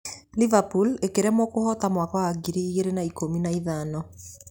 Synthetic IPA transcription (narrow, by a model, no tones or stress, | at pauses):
livapulekeɾɛmwɔkohɔtamwakɔwaɡiɾiiɣeɾenaikominaiðanɔ